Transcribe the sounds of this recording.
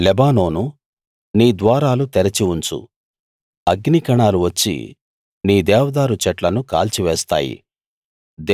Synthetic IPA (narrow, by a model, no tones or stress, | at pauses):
lɛbaːno̞ːnu | niːd̪ʋaːɾaːlut̪ɛɾɐt͡ʃiunt͡ʃṵ | ɐɡnikɐɳaːluʋɐt͡ʃːḭ | niːd̪ɛːʋɐd̪aːɾut͡ʃɛʈlɐnuka̰ːlt͡ʃiʋɛːst̪a̰ːjḭ | d̪